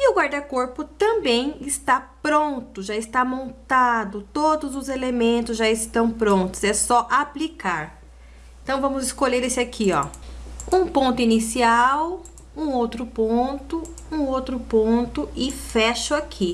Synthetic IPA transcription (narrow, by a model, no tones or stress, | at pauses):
ɪʊɡwaɾd̪ɐkoɾpʊt̪ɐ̃bẽj̃ɪst̪apɾõnt̪ʊʒaɪst̪amõnt̪ad̪ʊt̪od̪ʊzʊzelemẽnt̪ʊzʒaɪst̪ɐ̃w̃pɾõnt̪ʊ̥sɛsɔʔaplikaɾ | ẽt̪ɐ̃w̃vɐ̃mʊzɪskoʎeɾesɪakʰiɔ̰ | ũpõnt̪ʊinisiaw | ũowt̪ɾʊpõnt̪ʊ | ũowt̪ɾʊpõnt̪ʊɪfɛʃʊakʰi